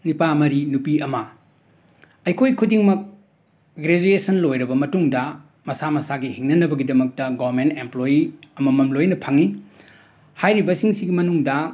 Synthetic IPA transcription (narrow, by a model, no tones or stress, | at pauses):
nipamɐɾinupiɐmɐ | ɐjkʰojkʰudiŋmɐk̚ | ɡɾed͡ʒuesɐnlojɾɐbɐmɐtuŋdɐ | mɐsamɐsaɡihiŋnɐnɐbɐɡidɐmɐk̚tɐɡoɾmentemplojiɐmɐmɐmlojnɐpʰaŋi | hajɾibɐsiŋsiɡimɐnuŋdɐ